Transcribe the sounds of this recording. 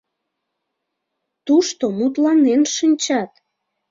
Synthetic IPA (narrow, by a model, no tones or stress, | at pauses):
t̪uʃt̪omut̪lɑnenʃənʲt͡ɕɑt̪